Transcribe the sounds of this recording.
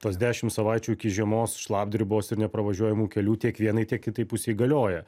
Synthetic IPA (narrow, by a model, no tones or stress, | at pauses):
t̪oːsd̪ʲæːʃʲɪmt̪sɐʋɑɪt͡ʃʲuːɪkʲɪʒʲiɛmoːsʃlˠɑːbd̪ʲɾʲɪboːsɪɾnʲɛpɾɐʋɐʒʲuɔjɛmuːkʲɛlʲuːt̪ʲiɛkʋʲiɛnɐɪt̪ʲiɛk̚kʲɪt̪ɐɪpʊsʲeːiɡɐlʲoːjɛ